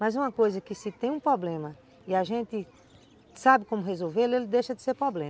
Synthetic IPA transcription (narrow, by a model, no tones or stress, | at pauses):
mɐzũmɐkojzɐkɪsɪt̪ẽj̃ũpɾɔblẽmɐ | iaʒẽnt̪ɪ | sabɪkõmʊɦezowvelʊelɪd̪ejʃɐd̪ɪseɾpɾɔblẽ